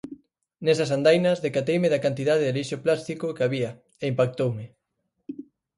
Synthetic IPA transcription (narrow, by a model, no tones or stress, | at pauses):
nesɐsand̪ajnɐzðekat̪ejmɪðɐkant̪iðaðeðeliʃoplast̪ikokeaβiɐ | eimpak̚t̪owmɪ